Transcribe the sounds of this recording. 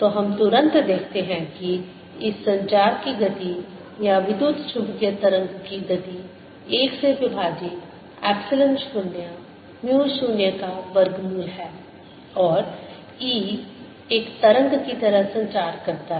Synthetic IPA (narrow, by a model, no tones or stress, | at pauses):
t̪oɦɐmt̪ʊɾə̃nt̪d̪eːkʰt̪eɦɛ̃ki | ɪsːɐ̃ɲt͡ʃaːɾkiɡɐt̪i | jaʋɪd̪uːt̪t͡ʃʰʊbkjət̪ɐɾə̃ŋɡkiɡɐt̪i | eːkseʋɪbʱaːd͡ʒik | ɛːpsɪlə̃nʃuːnja | mjuːʃuːnjəkaʋɐɾɡmɪlɦɛː | ɔːɾ | iː | eːkt̪ɐɾə̃ŋɡkit̪ɐɾəɦsɐ̃ɲt͡ʃaːɾkɐɾt̪aɦ